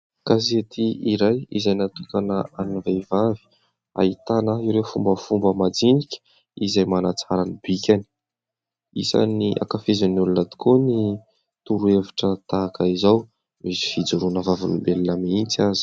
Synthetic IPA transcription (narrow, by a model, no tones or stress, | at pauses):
kaset̪iiɾajḭzajnat̪ukanəanivejvavi̥ | a̰it̪anəiwɾewfumbəfumbəmad͡zinikʲə̥ | izajmanat͡saɾanibikʲani̥ | isa̰niʔa̰kafezanulunad̪i̥kʰoni | t̪uɾueviʈ͡ʂət̪aːkaizaw | misi̥fid͡zuɾunəvavunibelinamiint͡siazi̥